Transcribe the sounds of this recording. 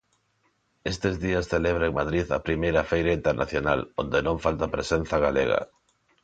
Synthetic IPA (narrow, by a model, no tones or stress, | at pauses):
est̪ezðiɐsθeleβɾaeŋmaðɾiðɐ̰pɾimejɾɐfejɾɐint̪eɾnʔa̰θjonalond̪enõŋfalt̪apɾesen̟θaɣaleɣɐ̰